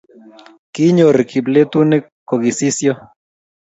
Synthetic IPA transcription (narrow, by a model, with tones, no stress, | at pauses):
ki˦ɲo˨ɾki˨ble˦t̪u˦nɛ˦ | ko˨ɡi˨si˦sjɔ˦